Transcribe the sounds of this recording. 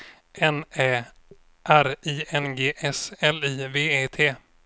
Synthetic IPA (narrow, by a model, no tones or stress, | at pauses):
ʔɛnɛː | ʔæɾiːɛnɡeːʔɛsɛliːveːeːt̪ʰeː